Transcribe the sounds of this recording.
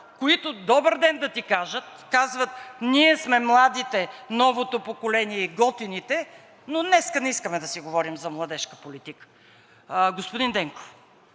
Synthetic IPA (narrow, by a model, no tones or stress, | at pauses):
koit̪ʊd̪ɔbəɾd̪ɛnd̪ɐt̪ikaʒət̪̚kazvət̪niɛsmɛmlˠad̪it̪ɛnɔvot̪opokolɛniɛiɡɔt̪init̪ɛ | nonɛskənɛiskəmɛd̪ɐsiɡovɔɾimzɐmlˠɐd̪ɛʃkəpolit̪ikə̥ | ɡospʊd̪ind̪ɛŋko̥f